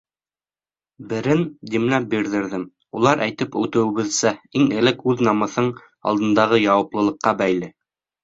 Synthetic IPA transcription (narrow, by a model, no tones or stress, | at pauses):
bɘ̆ɾɘnd̪imlæp̚biɾðɘ̆ɾðɘŋ | ulˠɑɾʔæjt̪ɘpʉt̪ɘ̆wɘ̆βɘ̆ðsæiŋɘ̆lɘkʉðnɑmɤ̆θɤɴ | ɑ̰lˠd̪ɤ̆nd̪ɑʁɤjɑwɑplˠɤ̆lˠɤ̆qːɑbæjlɘ